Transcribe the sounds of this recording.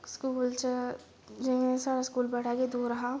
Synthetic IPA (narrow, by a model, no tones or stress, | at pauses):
skuːlt͡ʃɐ | d͡ʒɛẽsaːɾaskuːlbɐɽ̤aɡed̪oːɾɐɦã